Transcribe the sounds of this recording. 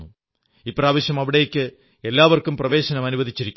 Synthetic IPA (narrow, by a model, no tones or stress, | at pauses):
u | ipːoraːʋɐɕjɐmɐʋiɽejekʲːɨ | e̞lːaːʋɐrkumprɐʋe̞ːɕɐnɐmɐnuβbɐdðʱit͡ɕːiɾikʲː